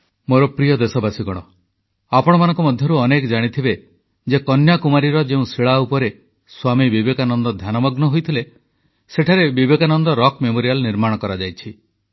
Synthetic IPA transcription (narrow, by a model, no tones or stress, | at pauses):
moɾɔpɾijɔd̪esɔbasiɡɔɽ̃ɔ | apɔɽ̃ɔmanɔ̃ŋkumɔd̪ʱjɔɾuɔnekd͡ʒaɽ̃it̪ʰibe | d͡ʒekɔnjakumaɾiɾɔd͡ʒeũsiɭaupɔɾe | swamibibekanɔnd̪ɔd̪ʱjanɔmɔɡnɔɦojt̪ʰile | seʈʰaɾebibekanɔnd̪ɔɾɔkmemoɾijalniɾmaɽ̃ɔkɔɾad͡ʒajt͡ʃʰi